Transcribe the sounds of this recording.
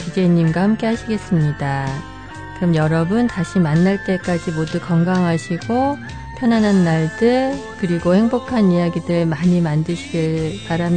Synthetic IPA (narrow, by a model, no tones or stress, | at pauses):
id͡ʑeɲimɡwahamk͈e̞haɕʰiɡe̞s͈ɯmɲida | kɯɾʌmjʌɾʌbɯntaɕʰimanːaɭt͈e̞k͈ad͡ʑimodukʌŋɡaŋɦaɕʰiɡo | pʰjʌnanɦanːaɭdɯɭ | kɯɾiɡoheŋbokʰaniaɡidɯɭmaɲimandɯɕʰiɡɯɭpaɾam